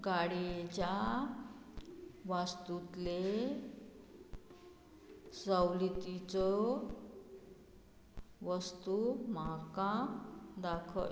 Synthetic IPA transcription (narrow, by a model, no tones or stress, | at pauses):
ɡaɽiet͡ɕa | ʋast̪ut̪le | sawlit̪it͡sɔ | ʋəst̪umakãd̪akʰə̰